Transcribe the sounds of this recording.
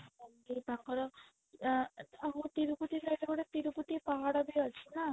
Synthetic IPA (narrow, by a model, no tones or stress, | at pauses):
ɔ | ebaŋkɔɾɔ | aɦũt̪iɾuput̪isaɾebɔɽet̪iɾuput̪ipaɦaɽɔbiɔt͡ʃʰina